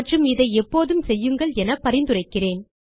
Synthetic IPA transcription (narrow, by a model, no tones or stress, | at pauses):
ʈrɯmɪðɐɪɛpːoːðɯmsɛjːɯŋɡɐɭɛnɐpːɐɾɪnd̪ɯrɐɪkːɪreːn